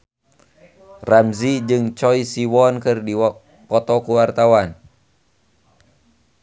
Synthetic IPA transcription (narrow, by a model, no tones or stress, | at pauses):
ramzid͡ʒɨŋt͡ʃɔisiwɔnkɨrdi | pɔt̪ɔkuwart̪awan